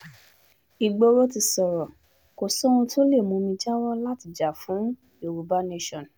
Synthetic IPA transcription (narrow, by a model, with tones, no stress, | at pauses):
i˨ɡ͡bo˧ɾo˦ti˧sɔ˨ɾɔ˨ | ko˨sɔ̃˦ũ˧to˦le˦˨mũ˧mĩ˧d͡ʒa˦wɔ˦la˦ti˧˨d͡ʒa˨fũ˨˦ | o˨ɾu˨ba˦ne˦ʃɔ̃˨n˨